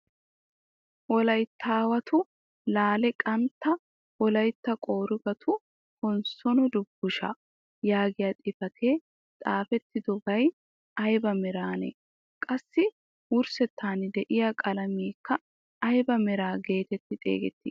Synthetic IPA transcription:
ʔɔlɐjt̪ʰːaːwɐt̪ʰʊ | laːlɛkʼɐnt̪ːɐ | ʔɔlɐjt̪ːɐkʼo̞ːɾʊɡɐt̪ʰʊ | hɔnsɔnɔd̪ʊbːʊʃɐ̰ | jaːɡɪjat̪ʼɪfɐt̪ʰeː | t̪ʼaːfɛt̪ːɪd̪ɔɡɐj | ɐjbɐmɛɾaːnɛ̰ | kʼɐsːɪ | wʊɾsɛt̪ːaːnɪd̪ɛʔɪjakʼɐlɐmiːkːɐ | ɐjbɐmɛɾaːɡe̞ːt̪ɛt̪ːɪt̪ʼḛːɡɛt̪ːɪ

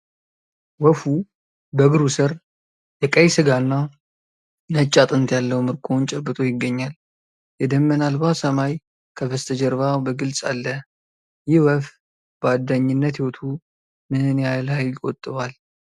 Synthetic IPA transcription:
wəfu | bəɡɨɾusɨɾ | jɛkʼəjsɨɡanːa | nət͡ʃʼːat̪ʼɨnt̪jalːəwumɨɾkʰont͡ʃʼɛbːɨt̪ʼo̞jɪɡːəɲːal | jɛd̪əmːənalβasəmaj | kʰəβəst̪ʰəd͡ʒɛɾβabəɡɨlsʼa̰lːə | jɪhwəf | bəad̪ːaɲːɪnːət̪hiwot̪ʰu | mɨɨnjajlhajkʼot̪ʼːɨβal

